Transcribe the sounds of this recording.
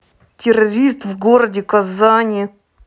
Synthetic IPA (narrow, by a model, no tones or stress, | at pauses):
tʲɪɾɐɾʲist̪vɡoɾədʲɪkɐzanʲɪ